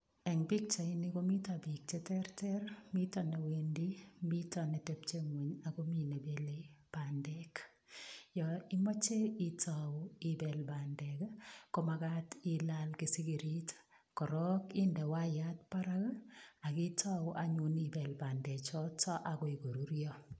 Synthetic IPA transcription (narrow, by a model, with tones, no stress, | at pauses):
ɛ˨ŋbi˦k̚t͡ʃɔ˨iniko˦mi˦tabi˨k̚t͡ʃɛtɛɾtɛɾmi˦tɔne˨wendimi˦tɔnɛ˨tɛp̚t͡ʃe˦ŋwe˨ɲako˦mi˨ne˨beleb̥andɛk | jɔi˦mɔ˦t͡ʃe˦itʰawibɛlba˨ndɛkko˦maka˦tilalke˨si˦ɡi˨ɾit | kɔ˨ɾɔ˦kɪ˦ndɛ˨wa˦jat̚paɾaka˨kɪ˦tʰa˦wʔa˨ɲunibɛ˨lba˨ndɛ˨t͡ʃɔ˦tɔ˦ʔa˨kɔ˦i˨ɡo˨ɾu˦ɾjɔ